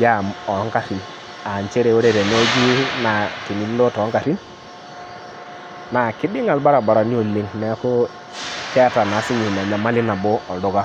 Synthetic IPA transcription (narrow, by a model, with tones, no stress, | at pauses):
ja˦˨mɔ˨˦ŋka˨ɾi˨n | a˨n˨t͡ʃe˦ɾe˨o˦ɾe˦˨ɾe˨n˦o˦d͡ʒi˦na˨ti˨ni˨˦llɔ˦tɔ˨˦ŋka˨ɾi˦n | na˨kɪ˦dɪ˦ŋa˨lba˦ɾa˨ba˨ɾa˨ni˦o˨le˦ŋnɛ˨˦ko˦ | tɛ˦a˦ta˨na˨˦si˦ɲi˨na˨ɲa˨ma˦lɪ˦na˨bɔ˦ɔ˨dɔ˨˦ɡa˦